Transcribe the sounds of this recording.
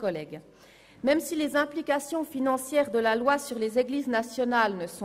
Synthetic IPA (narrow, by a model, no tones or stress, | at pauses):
kɔlɛɡ | mɛmsilezɛ̃plikasjɔ̃finɑ̃sjɛːʁd̪əlalwasyʁlezeɡliːznasjɔnalnəsɔ̃